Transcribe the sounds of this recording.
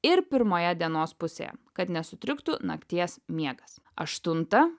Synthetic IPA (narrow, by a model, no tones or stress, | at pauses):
ɪɾpʲɪɾmoːjɛd̪ʲiɛnoːspʊsʲḛːjɛ̰kɐt̪nʲɛsʊt̪ʲɾʲɪkt̪ʊnɐ̰kt̪ʲiɛsmʲiɛɡɐs | ɐ̰ʃt̪ʊnt̪ɐ